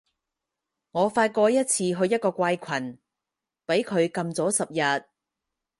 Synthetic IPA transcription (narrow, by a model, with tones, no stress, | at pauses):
ŋɔː˨˧faː˧t̚kɔː˧jɐ˥t̚t͡sʰiː˧ɦɵ˧ɥjɐ˥t̚kɔː˧kʷa˧jkʷʰɐ˨˩n | pe˨˥jkʰɵ˨˧ɥkɐ˧mt͡sɔː˨˥sɐ˨p̚jɐ˨t̚